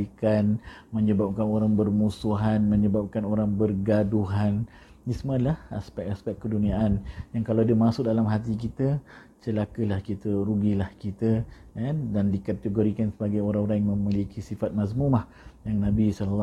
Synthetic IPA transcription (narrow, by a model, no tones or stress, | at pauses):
ikanməɲəbap̚kanoɾaŋbərmusuɦanmə̃ɲəbap̚kanoɾaŋbərɡaduɦan | ismalaha̰spɛk̚aspɛk̚kːəduniaʔanjaŋkalawadəmasʊʔ̚dalamɦat̪ik̬it̪ə | t͡ʃəlakəlahkit̪əɾuɡilahkit̪ə | andandikat̪əɡoɾikansəbaɡajoɾaŋoɾaŋjaŋmə̃milikʰisifat̪̚masmumah | jaŋnãbisɔlal